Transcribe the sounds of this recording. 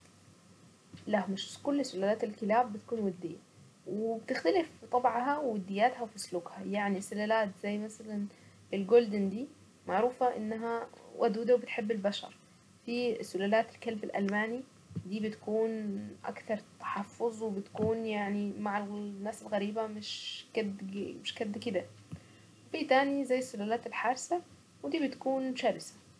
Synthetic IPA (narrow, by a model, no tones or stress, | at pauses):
lahmɪʃkʊlːsʊlalaːt̪ɪlkɪlaːbːɪt̪ḁkuːnwad̪ːḭjːa | wɪbt̪ɪxt̪alɪft̪ˤɑbʕɦawwɪd̪ːɪjːaːt̪hawfisluːkhajaʕnisʊlalaːt̪z̥ajːmasalanbɪlɡoːld̪ɪnd̪iː | maʕɾuːfaʔɪ̰nːaɦawʔa̰d̪uːd̪awbɪt̪ħɪbːɪlbaʃɑ̰ɾˤ | fisʊlalaːt̪ɪlkalbɪlʔa̰lmaːni | d̪iːbɪt̪kuːnʔa̰kt̪ɑɾˤt̪ḁħɑfːʊzˤwɪbɪt̪kuːnjaʕnimaʕalnːaːsɪlɣæɾiːbamɪʃkad̪mɪʃkad̪ːkɪd̪a | fit̪aːnizajːsːʊlalaːt̪ɪlħɑɾˤsa | wd̪iːbɪt̪kuːnʃaːɾɪsḁ